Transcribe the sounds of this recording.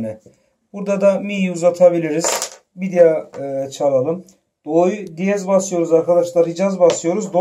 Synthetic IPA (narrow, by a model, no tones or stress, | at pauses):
nɛ | b̥uɾd̪ad̪amijiuzat̪ʰabilʲiɾiz̥ | vid̪ijat͡ʃʰalˠalˠɯm | d̪̥ojd̪ijɛzbasˠɯjo̞ɾuzaɾkʰad̪aʃlˠaɾid͡ʒazbasˠɯjo̞ɾuzd̪o